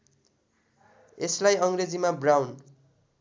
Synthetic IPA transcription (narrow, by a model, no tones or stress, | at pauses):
eslajʌŋred͡zimabrawn